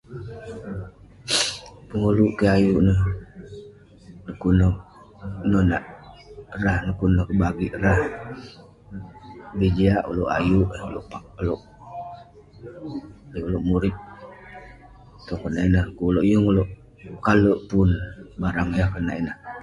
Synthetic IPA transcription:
pəŋuluʔkəajuʔnəh | nəkunə | nona̰ʔ | ɾahnəkunəhkəbaɡiʔɾah | bid͡ʒiaʔṵloʔa̰juʔulo̰ʔpaloʔ | liuloʔmuɾit̪̚ | t̪okənaʔinəhkuloʔjuŋuloʔ | kaləʔpunbaɾaŋjahkəna̰ʔinəh

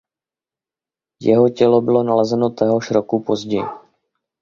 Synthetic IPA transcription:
jɛɦo̞cɛlo̞bɪlo̞nalɛzɛno̞t̪ɛɦoʃɾokupo̞zɟɛjḭ

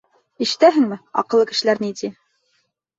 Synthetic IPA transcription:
ĭʃɘ̥̆t̪æɦɘ̆ŋmɘɑ̰qɤ̆lˠːɤkɘ̆ʃɘ̆læɾnit̪i

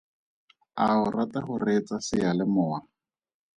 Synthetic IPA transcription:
aʊratahʊret͡sasɪjalɪmʊːa

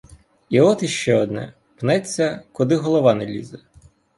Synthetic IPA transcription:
iɔt̪iʃt͡ʃɛɔd̪nɛ̰ | pnɛt͡sʲːɐkʊd̪ɪɦɔlˠɔʋɑnelʲḭzɛ

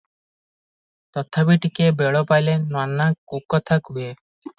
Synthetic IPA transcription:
t̪ɔt̪ʰabiʈikebeɭɔpajlenwanːakukːɔt̪ʰakuje

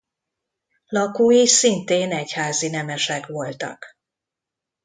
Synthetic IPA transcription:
lɒkoːjiʃsint̪eːnɛchaːzinɛmɛʃɛkʋo̞lt̪ɒ̰k

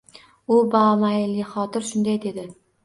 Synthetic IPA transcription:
ʊbamaɪlɪχɒt̪ɪɾʃʊnd̪ajd̪e̞d̪ɪ

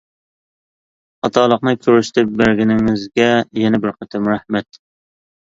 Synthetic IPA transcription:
ɑt̪ʰɑːlˠəqnɨkʲʰøɾyʃt̪ʰɪp̚bæɾɡʲɪnɪŋɪzɡʲɛjɛnɛbɪɾqʰət̪ʰɪmɾɛhmɛt̪

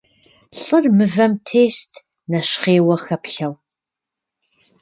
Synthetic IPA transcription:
ɬʼərmɨvɐmtʰeːstʰ | nɐʃχeːwɐxɐpɬɐw

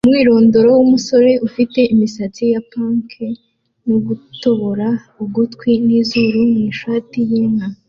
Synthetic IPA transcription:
umŋiːɾo̞ːndo̞ɾo̞wumuso̞ɾe̞ufite̞ʔimisat͡sijapaːŋkʰe | nuɡuto̞βoɾa | uɡutkwiniːzuɾuniːʃatijiːŋa

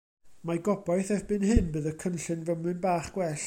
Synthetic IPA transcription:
maɡɔbajθɛvbɨnhɨnbɨːðəkʰənɬɨnvəmɨnbaːχɡ̥wɛɬ

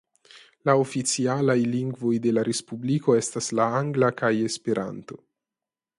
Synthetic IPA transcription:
laofit͡sialajliŋɡvo̞jde̞laɾespubliko̞estaslaaŋɡlakaje̞spe̞ɾʔa̰nto̞

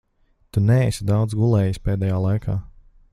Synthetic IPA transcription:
t̪unɛɛsʲid̪awd̪zɡulˠɛːjisʲpeːd̪ɛjaːlˠajkʰaː

